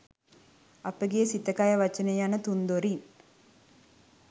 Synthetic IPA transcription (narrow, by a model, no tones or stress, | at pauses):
apəɡesit̪əkajəʋat͡ʃənejanət̪und̪oɾin